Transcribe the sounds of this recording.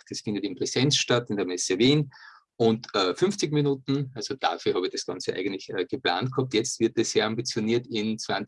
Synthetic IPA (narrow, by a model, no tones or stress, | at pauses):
d̥ɛsfɪ̃ndətɪmpʁ̥ɛsɛnsʃtatɪndəɐmɛsəviːn | ʔʊntʔɛfʏnft͡sɪçminuːtn̩ʔalzod̥a̰fyːɐhɑːbɪçd̥ɐsɡ̥ɑ̰̃nt͡sə̰ʔa̰ɪɡəntlɪçəːɡ̥əpla̰ːnt̚khɑp̚tjɛt͡stv̥ɪɐt̚d̥esseːɐãmbit͡sjoniːɐtɪnt͡svan